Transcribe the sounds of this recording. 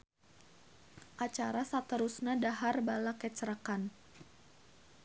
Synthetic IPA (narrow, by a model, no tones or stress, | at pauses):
ʔat͡ʃaɾasat̪əɾusnadaɦarbalakət͡ʃəɾakan